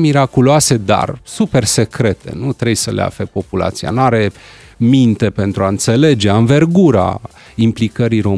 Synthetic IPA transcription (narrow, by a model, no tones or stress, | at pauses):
miɾakuloase̞d̪a̰rsupe̞rse̞kɾe̞t̪e̞̰nut̪ɾebjsəlea̰flepo̞pula̰t̪sia̰naɾe̞ | mint̪e̞pe̞nt̪ɾuaɨnt̪se̞le̞d͡ʒe̞anve̞rɡuɾa̰ | implikəɾiɾo̞